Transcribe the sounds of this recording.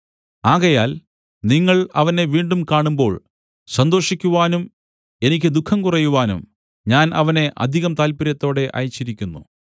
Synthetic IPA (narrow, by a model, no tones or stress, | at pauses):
aːɣɐjaːl | niŋːɐɭɐ̰ʋɐne̞ʋiːɳɖumkaːɳumbo̞ːɭ | sɐnd̪o̞ːʂikʲːuʋaːnum | e̞nikʲːɨd̪ukʰːɐmkurɐjuʋaːnṵm | ɲaːnʔɐʋɐne̞ʔɐ̰d̪ʱiɣɐmt̪aːlpiɾjɐt̪ːo̞ːɽe̞ʔɐ̰jit͡ɕːiɾikʲːunːṵ